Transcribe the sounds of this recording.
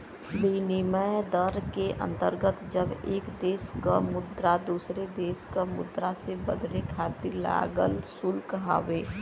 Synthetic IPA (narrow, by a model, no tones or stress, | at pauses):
biːnɪməd̪əɾkeʔə̰̃nt̪əɾɡət̪d͡ʒəbeːkd̪eːska̰mʊd̪ɾad̪uːsɾed̪eːskamʊ̰d̪ɾasebə̰d̪lekʰaːt̪ila̰ːɡə̰lsʊlkəɦa̰ːʋeː